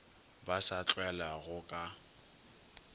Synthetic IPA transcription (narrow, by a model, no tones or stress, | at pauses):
basat͡ɬʼwɛlaɣʊkʼa